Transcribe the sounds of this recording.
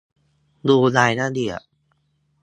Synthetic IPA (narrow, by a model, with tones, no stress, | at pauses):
duː˧laː˧jnaː˥˩di˧˩ɐə˩